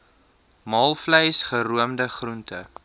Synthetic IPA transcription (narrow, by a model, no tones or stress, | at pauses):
mɑːlˠfləjsχəɾuəmdəχruntə